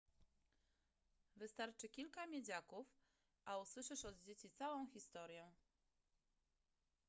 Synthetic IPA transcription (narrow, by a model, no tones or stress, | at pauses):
vɘst̪aɾt͡ʂɘkʲilkamʲjed͡ʑakuf | ʔauswɘʂɘʂɔd̪̚d͡ʑet͡ɕit̪sawɔ̃w̃xʲist̪ɔɾʲjɛ